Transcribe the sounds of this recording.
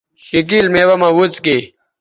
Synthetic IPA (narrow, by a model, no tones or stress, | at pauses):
ɕik̬ilmeːwɐmãwut͡ski